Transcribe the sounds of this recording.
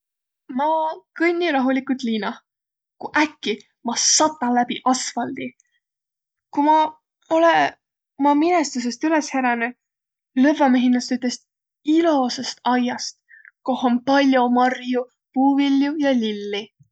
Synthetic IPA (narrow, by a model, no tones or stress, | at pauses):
mɑːkɤnʲːiɾɑɦulikut̪liːnɑ | kuʔækːi | mɑsɑt̪ːˑɑlæb̥iʔɑsfɑld̪̥i | kumɑ | ole | omɑminest̪us̬e̞st̪yle̞sheɾɑne | lɤ̞vɑmeɦinːɑst̪yt̪ːˑest̪ | ilo̞sest̪ɑjɑst̪̚ | ko̞hompɑlʲjomɑrju | puːvilːjujɑlilːi